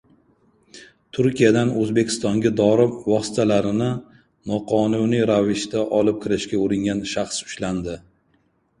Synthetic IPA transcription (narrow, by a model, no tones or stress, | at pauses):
t̪ʰʊɾkʲijad̪anɵzbe̞kʲʰɪ̥st̪ɒŋɡʲad̪ɒɾɪvɒsɪ̥t̪ʰalaɾɪnɪ | nɒqʰɒnunijɾavɪʃt̪aʔɒlɪp̚kʲʰɪɾɪʃkʲaoɾɪŋɡʲanʃaχsʊ̥ʃland̪ɪ